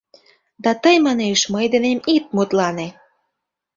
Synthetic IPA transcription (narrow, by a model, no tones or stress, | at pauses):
d̪ɑt̪əjmɑneʃməjd̪enemit̪̚mut̪lɑne